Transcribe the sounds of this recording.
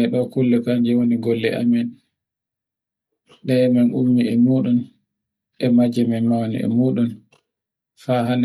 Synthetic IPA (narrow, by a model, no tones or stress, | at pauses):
ɛɗɔkulːɛkaɲd͡ʒɛwoniɡɔlːɛ̰ʔa̰mɛn | ɗɛmanʔumːiɛmuːɗun | ɛmad͡ʒɛmɛmawnḭɛ̰muːɗun | faɦan